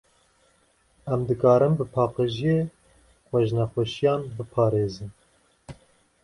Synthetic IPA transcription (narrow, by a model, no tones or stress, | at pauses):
ɛmd̪ɨkɑːɾɨmbɨpʰɑːqɨʒijeː | xʷɛʒnɛxʷɛʃijɑːnbɨpʰɑːɾeːzɨn